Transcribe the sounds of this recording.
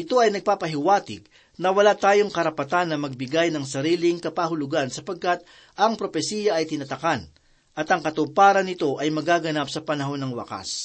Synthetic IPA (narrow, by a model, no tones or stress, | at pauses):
ʔɪt̪o̞ʔɐjnɐɡ̚paːpɐɦɪwaːt̪ɪɡ̚ | nɐwɐlat̪aːjo̞ŋkɐɾɐpɐt̪anːɐmɐɡ̚bɪɡajnɐŋsɐɾiːlɪŋkɐpaɦʊlʊɡansɐpɐɡ̚kat̪̚ | ʔɐŋpɾo̞pɛsijɐʔɐjt̪ɪnɐt̪ɐkan | ʔɐt̪ɐŋkɐt̪ʊpaːɾɐnɪt̪o̞ʔɐjmɐɡaːɡɐnap̚sɐpɐnɐɦo̞nːɐŋwɐ̰ka̰s